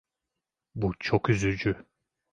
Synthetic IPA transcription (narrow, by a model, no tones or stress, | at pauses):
but͡ʃʰokyzyd͡ʒy